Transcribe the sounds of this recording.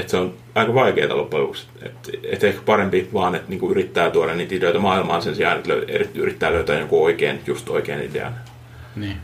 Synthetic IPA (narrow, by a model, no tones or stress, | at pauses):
et̪seon | ɑikɑʋɑikḛːt̪ɑ̰lopːɑj̪ṵːks | ḛt̪et̪ehkpɑrempiʋɑːnet̪niːŋkuyrit̪ːæːt̪uoɾɑnniːt̪it̪øit̪æmɑːilmɑ̰ːnsensiɑ̰ˑːnet̪lø̰yḛrit̪ːyrit̪ːæːløyt̪æːjokuoikḛːnjust̪o̰ikḛːnḭdḛɑ̰n | niː